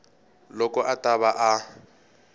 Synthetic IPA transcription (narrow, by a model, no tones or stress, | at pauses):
lɔkʼɔʔatʼaβaʔa